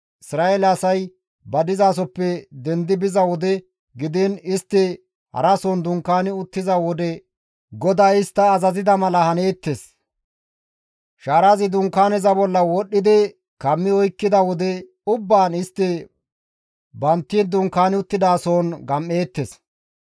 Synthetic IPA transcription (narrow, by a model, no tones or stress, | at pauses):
ɪsɾaːelɐsɐj | bɐd̪ɪzaːs̬ɔpːɛd̪ɛnd̪ɪbɪzɐwɔd̪ɛ | ɡɪd̪ɪnɪst̪ːɪ | hɐ̰ɾɐsoːnd̪ʊŋkːaːnɪʊt̪ːɪzɐwɔd̪ɛ | ɡɔd̪aːjɪst̪ːɐːzɐzɪd̪ɐmɐlɐhɐne̞ːt̪ːes | ʃaːɾazɪd̪ʊŋkːaːnɪzɐbɔlːɐwɔɗːɪd̪ɪ | kɐmːɪɔjkːɪd̪ɐwɔd̪ɛ | ʊbːaːnɪst̪ːɪ | bɐnt̪ːɪnd̪ʊŋkaːnɪʊt̪ːɪd̪aːsoːnɡɐmːe̞ːt̪ːes